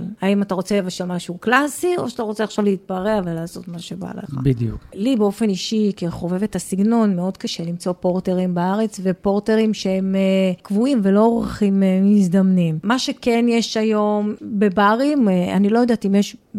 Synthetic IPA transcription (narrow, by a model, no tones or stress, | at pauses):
laimataʁo̞t͡sevaʃelmaʃuːklasio̞̰ʃat̪aʁo̞t͡seaχʃavleit̚baʁevelaːso̞tmaʃeba̰lḛχbid̪jṵklibeo̞fe̞niʃikeχo̞vevet̪asiɡno̞nmeo̞dkaʃelimt͡so̞po̞ʁteʁimbaaʁet͡sve̞po̞ʁteʁimʃee̞mkvuimvelo̞oʁaχimisd̪amnimmaʃe̞kenjeʃajo̞mbe̞baʁima̰nilo̞jod̪atimjeʃ